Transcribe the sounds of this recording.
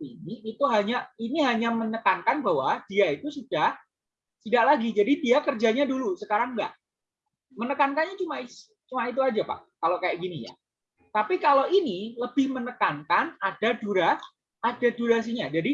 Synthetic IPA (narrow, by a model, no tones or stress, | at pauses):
iniːt̪uɦaɲainiɦaɲamənəkankanbaɦwad̥iait̪usud̥ah | t̪idaʔlaɡid͡ʒadidiakərd͡ʒaɲadulusəkaɾaŋɡa̰ʔ | mənəkankanɲat͡ʃumai̥ | t͡ʃumait̪̬uad͡ʒapa̰ʔkalokajaʔɡinija̰ | t̪apikaloʔiniləb̥ɪhmənəkankanad̥aduɾa | ad̥aduɾas̬iɲad͡ʒadi